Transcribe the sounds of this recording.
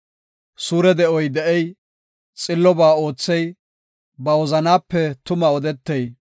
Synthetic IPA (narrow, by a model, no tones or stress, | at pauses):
suːɾɛd̪ɛʔɔjd̪ɛʔɛj | t͡sʼɪlːɔbaːo̞ːt͡sːɛj | bɐwɔzɐnaːpːɛt̪ʊmɐɔd̪ɛt̪ːɛj